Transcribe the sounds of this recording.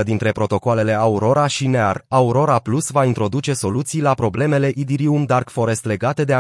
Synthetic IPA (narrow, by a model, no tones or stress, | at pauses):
əd̪int̪ɾe̞pɾo̞t̪o̞koale̞le̞auɾo̞ɾaʃinearauɾo̞ɾaplusvaint̪ɾo̞d̪ut͡ʃe̞so̞lut̪sijlapɾo̞ble̞me̞le̞ʔid̪iɾiumd̪arkfo̞ɾe̞st̪le̞ɡat̪e̞d̪ea